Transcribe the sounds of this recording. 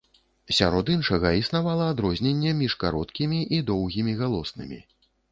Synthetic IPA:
sʲa̰ɾɔd̪inʂɐɣɐisnavalˠɐːd̪ɾɔzʲnʲenʲːɛmʲiʂkaɾɔt̪kʲimʲiʔid̪ɔwɣʲimʲiɣalˠɔsnɨ̰mʲḭ

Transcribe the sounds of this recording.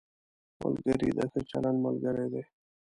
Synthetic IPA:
mə̰lɡəɾid̪aset͡ʃalanməlɡəɾed̪e

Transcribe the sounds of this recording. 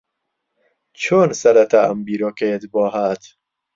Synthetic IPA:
t͡ʃʰonsæɾæt̪ʰææ̰mbiːɾɔːket̪bɒːɦæt̪

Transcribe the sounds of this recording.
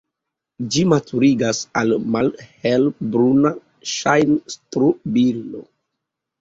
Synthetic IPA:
d͡ʒimatuɾiɡasalmalhelbɾuna | ʃajnstɾubildo̰

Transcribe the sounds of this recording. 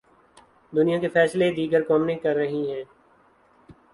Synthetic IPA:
d̪ʊnijãkefɛːsled̪iːɡəɾkɔːmnẽkɐɾːɐɦiɦɛ̃ː

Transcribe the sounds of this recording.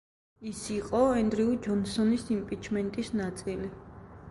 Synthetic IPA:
isiqʼɔɛnd̪ɾiud͡ʒɔnsɔnisimpʼit͡ʃʰmɛnt̪ʼisnat̪sʼili

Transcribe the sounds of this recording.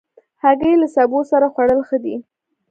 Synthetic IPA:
haɡəjlasabosaɾaxwaɽəlxəd̪i

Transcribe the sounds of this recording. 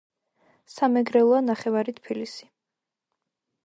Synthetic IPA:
samɛɡɾɛlˠɔanaχɛvaɾit̪ʰpʰilisi̥

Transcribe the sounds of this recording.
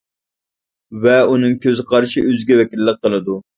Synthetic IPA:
vɛunɨŋkʲøzɪqʰɑɾʃiøzɡʲɛvɛkʲilːɪq̚qːəlˠɨd̪u

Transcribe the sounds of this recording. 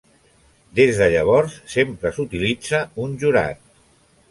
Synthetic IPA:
d̪ezðəʎəβ̞ɔɾsːempɾəsut̪ilid͡zəunʲʒuɾa̰t̪̚

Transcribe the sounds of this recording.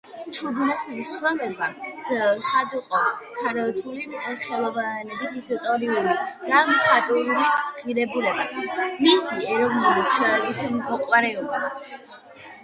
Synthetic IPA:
t͡ʃʰub̪nɛsɛbissɾɔmɛba | sad̪uqʼɔkʰaɾɛt̪ʰuliχɛlˠɔvanɛbisisɔt̪ʼɔɾiulid̪̥amsʰat̪ʼuɾuliʁiɾɛbulɛbamisiɾɔvnɛbit̪t̪ʰɛkit̪ʰmɔqʼwaɾɛɔba

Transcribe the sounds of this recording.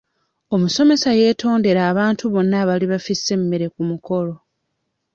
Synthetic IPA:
omuso̞me̞saje̞ːtʰo̞ːnde̞ɾaːβaːntuβo̞nːaβaliβafisːe̞mːeɾe̞kumuko̞lo̞

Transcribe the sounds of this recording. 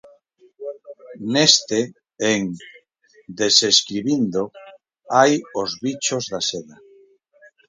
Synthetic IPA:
nest̪e | eŋ | d̪eseskɾiβind̪o | ajozβit͡ʃozðaseða

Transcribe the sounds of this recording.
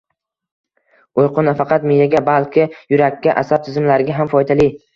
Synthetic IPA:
ojqʰʊnafɑqɑt̪mijaɡʲabalkʲʰɪjʊɾakʲːaʔasab̚t̪ʰɪzɪmlaɾɪɡʲaɦamfɒjd̪ali

